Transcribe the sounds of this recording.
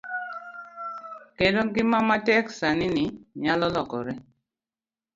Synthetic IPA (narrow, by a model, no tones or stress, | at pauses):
kedɔɡɪmamatɛksaniniɲalɔlɔkɔ̰ɾɛ